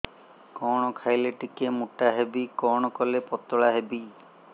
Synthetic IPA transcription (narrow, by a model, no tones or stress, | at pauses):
kɔɽ̃ɔkʰajleʈikemuʈaɦebikɔɽ̃ɔkɔlepɔt̪ɔɭaɦebi